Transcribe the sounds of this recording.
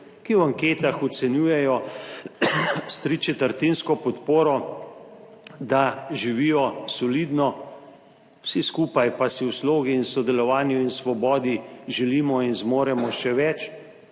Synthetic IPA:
kiwaŋkeːt̪axɔt̪sɛnjuːjɛjɔ | st̪ɾit͡ʃɛt̪əɾt̪inskɔpɔt̪poːɾɔ | d̪aʒiʋiːjɔsɔlid̪nɔ | wsiskuːpajpasiwsloːɡiːnsɔd̪ɛlɔʋaːnjuinsʋɔbɔːd̪iʒɛliːmɔinzmoːɾɛmɔʃɛʋɛt͡ʃ

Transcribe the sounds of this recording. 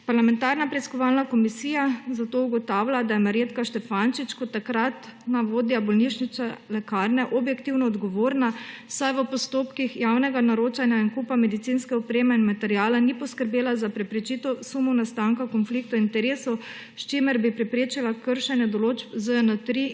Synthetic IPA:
paɾlamɛ̃nt̪aɾnapɾɛiskɔʋalnakɔmisiːjazat̪ouɡɔt̪aːwlʲad̪ajɛmaɾjeːt̪kaʃt̪ɛfanʃit͡ʃkɔt̪ːakɾat̪naʋoːd̪jabɔlniʃnit͡sɛlɛkaːɾnɛʔɔbjɛkt̪iwnɔːd̪ɡɔʋoːɾnasajʋəpɔst̪oːpkixjawnɛɡanaɾoːt͡ʃanjainkupamɛd̪it̪sinskɛɔpɾeːmɛinmat̪ɛɾijaːlanipɔskəɾbeːlazapɾɛpɾɛt͡ʃit̪ɔsumɔwnast̪aːŋkakɔnflik̚t̪ɔint̪ɛɾeːsɔ | ʃt͡ʃemɛɾbipɾɛpɾeːt͡ʃilakəɾʃɛnjɛd̪ɔloːd͡ʒbzəɛnət̪ɾi

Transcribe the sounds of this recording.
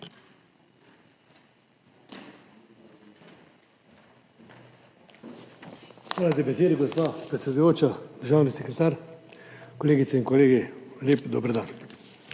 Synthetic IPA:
xʋaːlat̪ɛbɛseːd̪iɡɔspapɾɛt̪sɛd̪ʊjoːt͡ʃad̪əɾʒaːwnisɛkɾɛt̪aːɾ | kɔleːɡit̪sɛinkɔleːɡiljeːpd̪ɔbɾd̪aːn

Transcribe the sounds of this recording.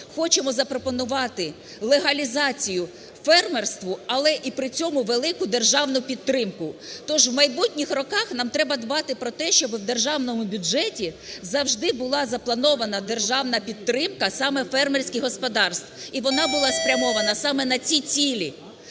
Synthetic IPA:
xɔt͡ʃemɔzɐpɾɔpɔnʊʋɑt̪ɪ | lˠeɦɐlʲizɑt͡sʲijʊ | fɛrmerst̪ʋʊɐlˠɛʔipɾɪt͡sʲɔmʊʋelˠɪkʊd̪erʒɑwnʊpʲid̪̚t̪ːɾɪmkʊt̪ɔʒʋmɐjbutʲnʲixrɔkɑxnɑmt̪ɾɛbɐd̪bɑt̪ɪpɾɔt̪ɛʃt͡ʃɔbɪwd̪e̞rʒɑwnɔmʊbʲʊd͡ʒɛtʲizɐwʒd̪ɪbʊlˠɑzɐplˠɐnɔʋɐnɐd̪e̞rʒɑwnɐpʲid̪̚t̪ːɾɪmkɐsɑmɛfɛrmerʲsʲkʲɪɦɔspɔd̪ɑrst̪ʋiʋɔnɑbʊlˠɑspɾʲɐmɔʋɐnɐsɑmɛnɐt͡sʲit͡sʲilʲi

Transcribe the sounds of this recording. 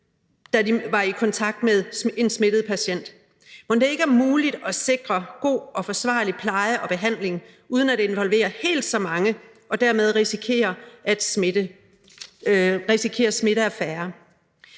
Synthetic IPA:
d̥ædiʋɑ̈ikʰɒ̽nt͡sʰɑ̈ɡ̥̚d̥meðˠe̝nsme̝d̥əð̞̩ˠpʰæɕen̰d̥ | mɒnd̥e̝e̝ɡ̥əæɐmuːlid̥ɒ̽se̝ɡ̥ʁɐɡ̥o̝̰ːɒ̽fɒ̽sʋɑ̰̈ːlipʰlɑ̈ɪəʔɒ̽b̥e̝ɦæn̰le̝ŋ | uːðˠən̩æd̥e̝e̝nʋɒ̽lʋe̝̰ːɐhe̝̰ːld̥sɒ̽mɑ̈ŋə | ʔɒ̽d̥æɐ̰með̞ˠʁisikʰe̝̰ːɐʔæd̥ | ʁisikʰe̝̰ːɐsme̝ɾəæfæːɐ

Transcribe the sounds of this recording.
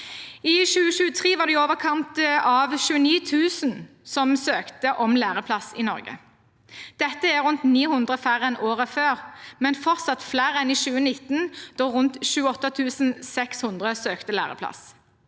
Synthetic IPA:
ɪʃʉːəʃʉːət̪ʰʁiːʋɑːʁd̪ɛoːʋəʁkʰɑnt̪ɑʋʃʉːəniːt̪ʰʉːsən | sɔmsøːkt̪əʔɔmlæːʁəpʰlɑsɪnɔ̰ʁɡə̰ | d̪̥ɛt̪ːəæʁʉnt̪niːhʉnd̪ʁəfæʁəɛnoːʁəføːʁmɛnfɔʁt̪sɑt̪flæːʁəɛnɪʃʉːənɪt̪nd̪̥oːʁʊnt̪ʃʉːəɔt̪ːət̪ʰʉːsnsɛkshʉnd̪ʁəsøːkt̪əlæ̰ːʁə̰pʰlɑ̰s

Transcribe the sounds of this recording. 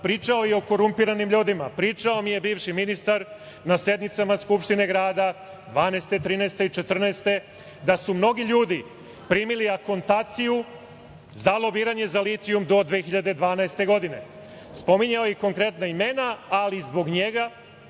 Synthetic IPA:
pɾiːt͡ʃao̞jeo̞ko̞ɾumpiɾanimʎuːd̪imapɾiːt͡ʃao̞mije̞biːʋʃiminist̪aɾ | nase̞d̪nit̪samaskupʃt̪ine̞ɡɾaːd̪a | d̪ʋaːnaːst̪et̪ɾiːnaest̪e̞it͡ʃe̞t̪r̩nast̪e̞ | d̪asumno̞ɡiʎuːd̪i | pɾiːmiliako̞nt̪aːt̪siju | zalˠo̞biːɾaɲe̞zalit̪iumd̪o̞d̪ʋexiʎad̪e̞d̪ʋaːnaest̪e̞ɡo̞d̪ine̞ | spo̞miɲaojeko̞ŋkɾe̞t̪naime̞naːlizbo̞ɡɲe̞ɡa

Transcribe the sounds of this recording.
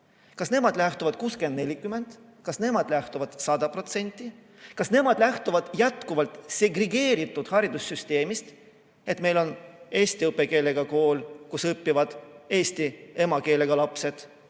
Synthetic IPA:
kɑsne̞mɑd̪̥læht̪uvɑd̪̥̚kuːske̞nd̪ne̞lʲikyme̞nd̪̥ | kɑsne̞mɑd̪̥læht̪uvɑd̪̥sɑd̪̥ɑpro̞t̪se̞nʲt̪ʲˑːi | kɑsne̞mɑd̪̥læht̪uvɑd̪̥jæt̪kuvɑlt̪se̞ɡreɡe̞ːɾit̪ːˑud̪̥hɑɾid̪̥usːyst̪e̞ːmist̪ | e̞t̪me̞jlo̞ne̞ːst̪iɤpːˑe̞ke̞ːle̞ɡ̥ɑko̞ːlkusɤpːivɑd̪̥e̞ːst̪ie̞mɑke̞ːle̞ɡ̥ɑlɑpse̞d̪̥

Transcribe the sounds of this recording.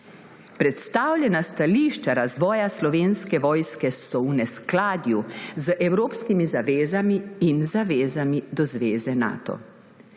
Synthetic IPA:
pɾɛt̪st̪aːwlʲjɛnast̪aliːʃt͡ʃaɾazʋɔːjaslɔʋeːnskɛʋɔːjskɛsɔwnɛsklaːd̪juzəʔɛwɾoːpskimizaʋeːzamiːnzaʋeːzamid̪ɔzʋeːzɛna̰ːt̪ɔ̰

